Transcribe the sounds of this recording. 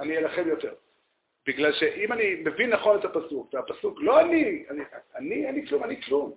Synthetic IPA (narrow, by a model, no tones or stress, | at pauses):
anijelaχe̞mjo̞t̪eʁ | b̥iɡlalʃe̞ʔimanime̞vinːaχo̞ne̞tapasukveapasuklo̞anianianianiklumaniklum